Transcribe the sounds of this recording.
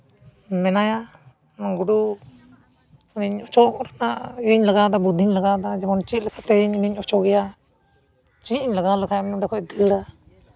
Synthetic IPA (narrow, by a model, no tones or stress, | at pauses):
mɛnaja | naɡuɽu | ɔniɲɔt͡ʃɔkɔɾanaʔiɲlaɡad̪abud̪ʱiɲlaɡaʔd̪ad͡ʒɛmɔnt͡ʃit̪̚lɛkʰat̪ɛɲiniɲɔt͡ʃɔɡɛja | t͡ʃiiɲlaɡalakʰajamɛnɔɖɛkʰɔʔd̪ilɾa